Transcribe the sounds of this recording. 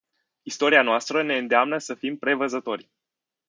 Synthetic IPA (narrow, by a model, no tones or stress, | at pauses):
ist̪o̞ɾianoast̪ɾəne̞ɨnd̪eamnəsəfimpɾe̞vəzət̪o̞rʲ